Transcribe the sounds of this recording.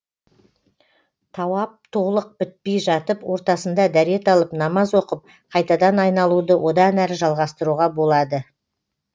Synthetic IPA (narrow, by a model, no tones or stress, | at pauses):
t̪ʰɑwɑp̚t̪ʰolˠəq̚bɪt̪̚pe̞jʒɑt̪əpwo̞ɾt̪ɑsənd̪ɑd̪æɾe̞t̪ɑlˠəpnɑmɑzwo̞qəp̚ | qʰɑjt̪ɑd̪ɑnɑjnɑlˠud̪əwʔo̞d̪ɑnæɾʒɑlˠʁɑst̪əɾuʁɑbo̞lˠɑd̪ə